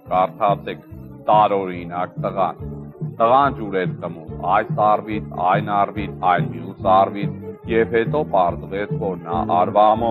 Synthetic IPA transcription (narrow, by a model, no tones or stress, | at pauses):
kɑrt̪ʰɑt͡sʰɛkʰ | t̪ɑɾɔɾinɑk̚t̪əʁɑ̰nt̪əʁɑnd͡ʒuɾɛt͡sʰk̪əmumɑjsɑrvit͡sʰɑ̰jnɑrvit͡sʰɑjlmjusɑrvit͡sʰjɛvhɛt̪ɔpɑɾzəvɛt͡sʰvɔɾnɑ̰ʔɑɾvɑmɔ